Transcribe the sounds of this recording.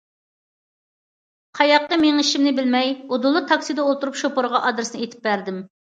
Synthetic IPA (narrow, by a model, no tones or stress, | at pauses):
qʰɑjɑq̪̚ːəmeŋʃimnɪbɪlmɛjod̪ulˠːɨt̪ʰɑksɨd̪ɛolˠt̪uɾupʃopoɾʁɑʔɑd̪ɾɨsnɨet̪ʰɪ̥p̚bæɾd̪ɪm